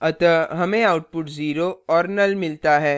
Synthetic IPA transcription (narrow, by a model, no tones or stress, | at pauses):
ɐt̪ɐɦɐmẽaːʊʈ̚pʊʈziːɾoɔːɾnɐlmɪlt̪aɦɛː